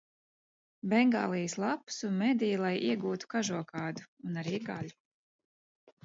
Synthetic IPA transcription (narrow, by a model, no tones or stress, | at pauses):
bɛŋɡaːlˠijslˠapsunmɛd̪ijlˠajiɛɡuːt̪u̥kaʒuɔkaːd̪u̥ːnaɾiːɡa̰lʲu̥